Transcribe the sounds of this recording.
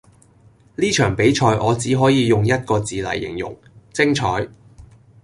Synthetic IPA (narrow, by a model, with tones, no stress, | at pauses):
liː˥t͡ʃʰœː˨˩ŋpe˨˥jt͡ʃʰɔː˧jʔɔː˨˧t͡siː˨˥ɦɔː˨˥jiː˨˧jʊ˨ŋjɐ˥t̚kɔː˧t͡siː˨lɐ̰˨˩jːɪ̰˨˩ŋjʊ̰˨˩ŋ | t͡sɪ˥ŋt͡ʃʰɔː˨˥j